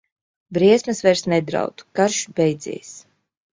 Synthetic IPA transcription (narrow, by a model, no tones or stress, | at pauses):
bɾiɛsmɨsvɛɾsnɛd̪ɾa̰wt̪u̥kaɾʃbɛjd̪zḭːs